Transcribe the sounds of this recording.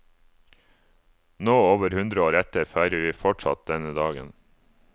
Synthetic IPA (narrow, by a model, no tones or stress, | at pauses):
noːoːʋəɾhʉnd̪ɾəoːɾɛt̪əɾfæɪɾəɾʋiːfɔʈʂɑ̰t̪̚d̪ɛnəd̪ɑːɡə̰n